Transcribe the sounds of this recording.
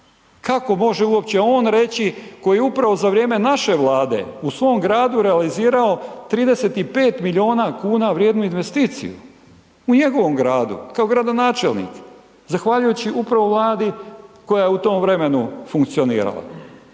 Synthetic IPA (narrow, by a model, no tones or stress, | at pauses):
kako̞mo̞ʒeuo̞p̚t͡ɕeo̞ːnɾe̞t͡ɕiko̞jeupɾaʋo̞zaʋɾjeːme̞naʃe̞ʋlˠaːd̪e̞̰usʋo̞ːmɡɾaːd̪uɾealiziːɾao̞t̪ɾiːd̪e̞se̞t̪ipe̞ːt̪milio̞ːnakuːnaʋɾjeːd̪nuinʋe̞st̪iːt̪sḭjṵ | uɲe̞ɡo̞ʋo̞mɡɾaːd̪ṵkao̞ɡɾad̪o̞naːt͡ʃe̞lnḭːk | zaxʋaʎujut͡ɕiʔupɾaʋo̞ʋlˠaːd̪iko̞jajeut̪o̞ːmvɾe̞me̞nufuŋkt̪sio̞nḭːɾa̰lˠa̰